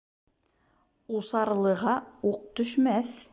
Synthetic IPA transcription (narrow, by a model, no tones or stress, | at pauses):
usɑɾlˠɤ̆ʁɑuq̚t̪ɵ̆ʃmæθ